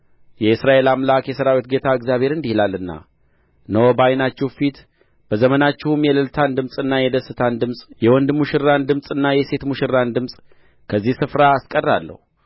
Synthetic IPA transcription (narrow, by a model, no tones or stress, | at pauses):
jɛɨsɾaʔe̞lamlakjɛsəɾawit̪̚ɡe̞t̪ʰaɨɡzjaβʱe̞ɾɨnd̪ihilalːɨnːa̰ | nəwobajnat͡ʃːɛwfit̪ | b̥əzəmənat͡ʃːɛhumjɛləlt̪ʰand̪ɨmsʼɨnːajɛd̪əsːɨt̪ʰand̪ɨmsʼjɛwɔnd̪muʃɪrːand̪ɨmsʼɨnːajɛse̞t̪muʃɪɾːand̪ɨmsʼ | kʰəzːihsɨfɾaːskʼərːa̰lːə̰hu